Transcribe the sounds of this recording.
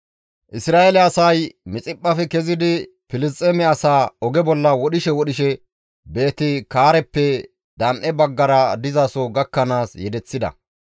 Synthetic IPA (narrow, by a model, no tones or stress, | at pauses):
ʔɪsɾaːelɛɐsɐjmɪt͡sʼɪpʼːɐfɛkɛzɪd̪ɪ | fɪlɪstʼːɛmɛɐsaːɔɡɛbɔlːɐwɔɗɪʃɛwɔɗɪʃɛ | be̞ːt̪ɪkaːɾɛpːɛ | d̪ɐnʔɛbɐɡːɐɾɐd̪ɪzɐsɔɡɐkːɐnaːsjɛd̪ɛt͡sːɪd̪ɐ̰